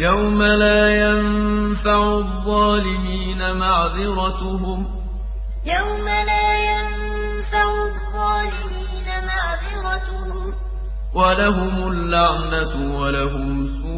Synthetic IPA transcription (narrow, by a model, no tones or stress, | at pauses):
jawmalaːjanfaʕʊðˤːɑːlɪmiːnamaʕðɪɾɑt̪ʊɦʊm | jawmalaːjan | faʕʊ | ðˤːɑːlɪmiːnamaʕdɪɾˤɑt̪ʊhhʊm | walaɦʊmʊlːaʕnat̪ʊwalaɦʊm | suː